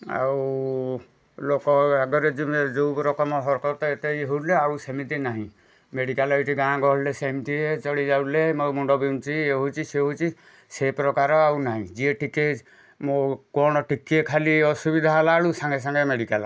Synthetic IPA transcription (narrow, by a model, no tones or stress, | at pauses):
a̰w | lokɔaɡɔɾed͡ʒimed͡ʒowbɾɔkɔmɔɦɔɾkɔɾt̪ɔet̪ejɦuɾleaɾusemit̪inaɦĩ | meɽikalɔeʈiɡãɡɔɦlesemt̪iet͡ʃɔɽid͡ʒawlemojmuɳɖɔbimt͡ʃʰieɦut͡ʃʰiseɦut͡ʃʰi | sepɾɔkaɾɔawnaɦĩd͡ʒieʈike | mokɔñɔʈikiekʰaliɔsubid̪ʱaalaɽusaŋɡes̬aŋɡemeɖikalɔ̰